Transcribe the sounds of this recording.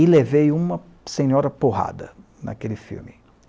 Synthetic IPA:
ilevejũmɐ | sẽɲɔɾɐpoɦa̰d̪ɐ | nɐ̰kelɪfḭwmɪ

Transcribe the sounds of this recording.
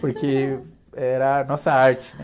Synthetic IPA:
poɾkʰe | ɛɾɐnɔsɐaɾt͡ʃɪ̥nɛ

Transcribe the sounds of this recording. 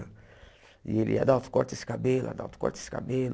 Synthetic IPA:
ḭelḭa̰d̪awt̪u̥kɔɾt̪esi̥kabela̰d̪a̰wt̪u̥kɔ̰ɾt̪e̥si̥ka̰bel

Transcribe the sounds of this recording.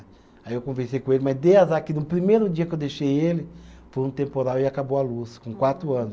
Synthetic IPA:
aiewkõveɾsejkõelɪmazd̪eazakɪnʊpɾimejɾʊd͡ʒiɐkewd̪eʃejelɪfojũt̪ẽmpoɾawɪakabowaluskõkwat̪ɾʊɐ̃nʊs

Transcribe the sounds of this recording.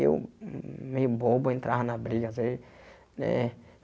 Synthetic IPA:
ḛw | mejʊboboẽnt̪ɾʔaɦnɐbɾiɡɐze | nɛ̰̃

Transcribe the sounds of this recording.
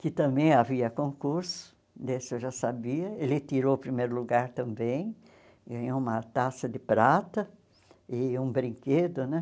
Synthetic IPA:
kɪt̪ɐ̃mbẽj̃aviɐkõkuɾsʊ̥ | d̪esɪewʒasabiɐelɪt̪iɾowpɾimejɾʊluɡaɾt̪ɐ̃mbẽj̃ | ɡɐ̃ɲoũmɐt̪asɐd̪ɪpɾat̪ɐ | ɪũbɾĩŋked̪ʊnɛ̃

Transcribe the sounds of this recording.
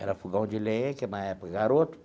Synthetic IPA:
ɛ̰ɾɐfuɡɐ̃w̃d͡ʒɪlẽẽkɪmaɛpkɪɡaɾot̪ʊ̥

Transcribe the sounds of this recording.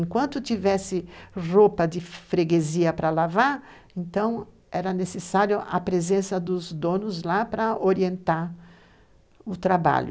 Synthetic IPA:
ẽŋkwɐ̃nt̪ʊt̪ivɛsɪropɐd̪ɪfɾeɡeziɐpɾɐlavaɾ | ẽnt̪ɐ̃w̃ | ɛɾɐnesesaɾjʊʔɐpɾezẽsɐd̪ʊzd̪õnʊzlapɾɐoɾiẽnt̪aɾ | ʊt̪ɾaba̰ʎʊ

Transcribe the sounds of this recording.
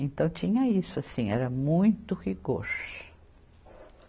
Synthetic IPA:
ẽnt̪ɐ̃w̃t͡ʃĩɲɐisʊasĩɛɾɐmũj̃t̪ʊhiɡoɾ

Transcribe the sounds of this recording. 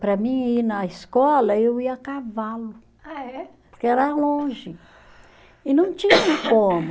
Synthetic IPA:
pɾɐmĩinɐiskɔlɐewiɐakavalʊ | aɛpoɾkeɛɾalõʒɪ | ɪnɐ̃w̃t͡ʃĩɲɐ̃kõmʊ

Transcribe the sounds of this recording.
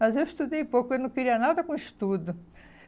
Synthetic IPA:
mɐzewist̪ud̪ejpowkʊewnɐ̃w̃keɾiɐnad̪ɐkõist̪ud̪ʊ

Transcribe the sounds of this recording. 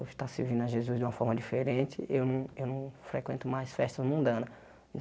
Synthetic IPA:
t̪asɪvĩnd̪ʊɐʒezuzd͡ʒ̪ɪũmɐfɔɾmɐd͡ʒifeɾẽnt͡ʃɪ̰ʔewnɐ̃w̃ewnɐ̃w̃fɾekwẽnt̪ʊmajsfɛst̪ɐzmũnd̪ɐ̃nɐ̃

